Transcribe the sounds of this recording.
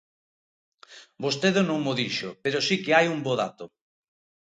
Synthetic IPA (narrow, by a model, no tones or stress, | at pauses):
bost̪eðʊnõŋmoðiʃʊpeɾʊsikɪajumboðat̪ʊ